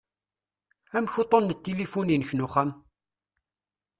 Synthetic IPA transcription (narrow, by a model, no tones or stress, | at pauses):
æmçut̪ˤːonːət̪ːilifuninəçnuχəm